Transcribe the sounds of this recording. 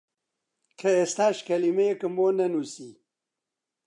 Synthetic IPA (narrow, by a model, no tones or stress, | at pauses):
kʰɐest̪aːʃkɐlimejekɨmbonɐnusi